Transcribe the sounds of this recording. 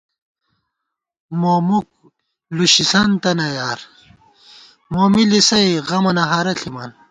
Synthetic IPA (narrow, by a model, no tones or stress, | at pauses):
moːmuk̚ | luɕisɐnt̪ɐnɐjaːɾ | moːmilisɐjɣɐmɐnɐɦaːɾɐɬʰimɐ̰n